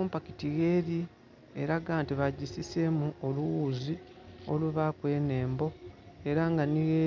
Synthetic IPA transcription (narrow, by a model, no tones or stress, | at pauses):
ompaki̥tiɣe̞ːɾi | eɾaɡaːntiβaɟisisemuoluwuːzi | o̞̰luβakwe̞ːne̞ːmbo̞ | e̞ɾaŋɡaniɣe